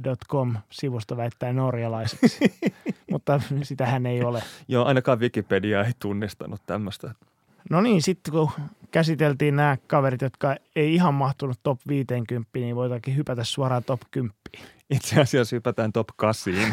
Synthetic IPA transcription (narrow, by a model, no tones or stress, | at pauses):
dot̪komsiʋust̪oʋæit̪ːæːnorjɑlɑise̥s | mut̪ːɑsit̪æhæneiolejoːɑinɑkɑːʋʋikipediɑeit̪unːist̪ɑ̰nut̪t̪æmːøst̪æ | noniːnsit̪ːekukæsit̪elt̪iːnnæːkɑʋerit̪jot̪kɑeiihɑmmɑht̪unut̪t̪opʋiːt̪eːŋkympːiːniːʋoit̪ɑkːihypæt̪æssuɑrɑːt̪opkympːi̥ː | it̪seɑsiɑshypæt̪æːnt̪opkɑsiːn